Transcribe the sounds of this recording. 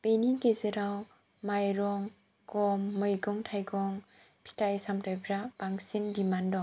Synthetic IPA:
peniɡezeɾaw | majɾɔŋ | kɔmːɯjɡɔŋtʰajɡɔŋpʰi̥taisamtʰɔjpʰɾab̥aŋsimdimandɔ

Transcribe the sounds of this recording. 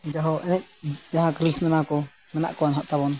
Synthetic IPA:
d͡ʒaɦɔʔɛnɛʔ̚d͡ʒaɦãkɾismɛnakɔ | mɛna̰ʔkɔanɦaʔt̪aβɔn

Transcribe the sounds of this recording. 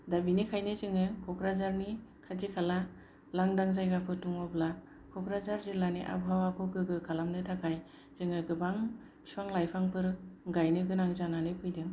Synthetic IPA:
dabinikʰajnɯzɯŋɯkʰɔkʰɾazaɾnikʰazikʰala | laŋdaŋzajɡapʰɯtuŋɔbla | kʰɔkɾazaɾzilaniʔa̰bɦawakʰɔɡɯɡɯkʰalamnɯtʰakʰaj | z̥ɯŋɯɡɯbaŋ | spʰaŋlajpʰaŋpʰɯɾɯɡajnɯɡɯnaŋzananɯpʰɯjdɯŋ

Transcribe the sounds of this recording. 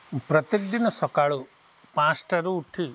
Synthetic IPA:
pɾɐt̪ek̚d̪inɐsɔkaːɭu | pãːsʈɐɾuːʈʰi

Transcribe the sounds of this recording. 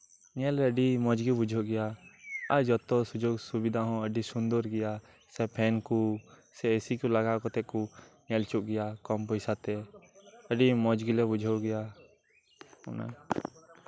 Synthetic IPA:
ɲɛlɛəɖimɔ̃d͡ʒɡibud͡ʒʱoʔɡɛjaaɾd͡ʒɔt̪ɔsud͡ʒoɡsubid̪ʱaɦɔ̃əɖisund̪ɔɾɡɛja | sɛpʰɛnkusɛəsikulaɡakɔt̪ɛʔkuɲɛlt͡ʃuʔ̚ɡɛjakɔmpɔjsat̪ɛ | əɖimɔ̃d͡ʒɡilɛbud͡ʒʱoɡɛja | ɔ̰na̰

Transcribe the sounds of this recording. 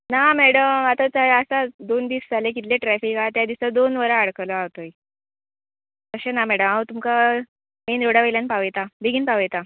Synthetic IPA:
namɛɽəmat̪at͡saəsad̪ond̪iːsd͡zalek̬it̪leʈɾɛfikat̪jad̪isad̪onʋəɾaaɽklɔawt̪oj | k̪əɕenamɛɽəmaət̪umka | menɾoɽaʋelanpaʋejt̪abʱeɡiːnpaʋejt̪a

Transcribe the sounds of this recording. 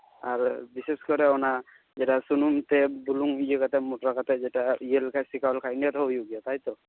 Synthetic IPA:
aɹbiseskɔɾɛna | zɛtasunumt̪ɛbuluŋijekat̪ɛmotɾakat̪ɛzɛtaijelkʰajsikalkʰajniat̪ɔjuɡijɔt̪ajt̪ɔ

